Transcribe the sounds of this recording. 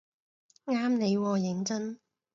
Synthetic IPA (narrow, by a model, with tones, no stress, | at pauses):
ŋaː˥mne˨˧jwɔː˧jɪ˨˥ŋt͡sɐ˥n